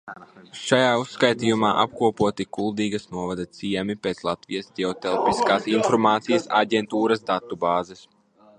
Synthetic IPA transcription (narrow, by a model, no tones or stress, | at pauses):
ʃajaːusːkajt̪ijumaːʔa̰p̚kuɔpuɔt̪ikulˠd̪iːɡɐsnuɔvad̪ɐt̪siɛmipeːt̪slˠat̪vijasd̪ʲɛɔt̪ɛlˠpiskaːsinfɔɾmaːt̪sijɐsa̰ɟɛnt̪uːɾɐsd̪at̪ubaːzɛs